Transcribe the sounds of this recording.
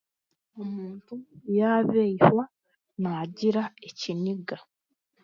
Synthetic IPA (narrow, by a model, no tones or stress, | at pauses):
omuːntujaːβeihwa | naːɟiɾaeciniɡa